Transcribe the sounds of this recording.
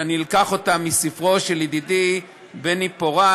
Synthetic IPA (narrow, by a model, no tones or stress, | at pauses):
anilkaχo̞tamisifʁoʃelid̪id̪i | benipoʁa